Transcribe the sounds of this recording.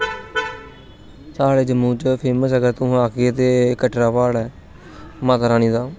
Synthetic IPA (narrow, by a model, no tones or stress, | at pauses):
saːɽeːd͡ʒəmːũːt͡ʃpʰeːməsəɡəɾt̪ʊ̃aːket̪eːkəʈɾaːpaːɽɛː | maːt̪aːɾaːniːd̪aː